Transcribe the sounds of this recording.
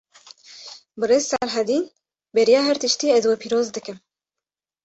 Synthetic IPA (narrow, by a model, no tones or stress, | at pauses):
bɨreːzsæɾɦɛd̪iːn | bɛɾijɑːɦɛɾt̪ɨʃt̪iːɛzwɛpʰiːɾoːzd̪ɨkɨm